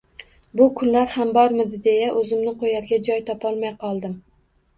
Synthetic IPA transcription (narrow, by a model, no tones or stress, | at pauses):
bʊkʰʊnlaɾhambɒɾmɪd̪ɪd̪e̞jaʔɵzɪmnɪqʰojaɾɡʲad͡ʒɒjt̪ʰɒpʰɒlˠmajqʰɒlˠd̪ɪm